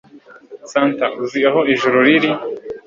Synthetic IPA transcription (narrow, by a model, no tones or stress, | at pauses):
saːntaʔuziaɦoiʒuɾuɾiɾi